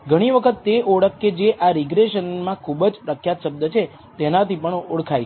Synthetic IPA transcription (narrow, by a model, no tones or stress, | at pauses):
ɡʱəɽ̃iʋəkʰət̪ːeʔoɽəkːed͡ʒeʔaɾiɡɾeʃənmãkʰubəd͡ʒpɾəkʰjat̪ʃəb̚d̪ət͡ʃʰe | t̪enat̪ipəɳuɽkʰaj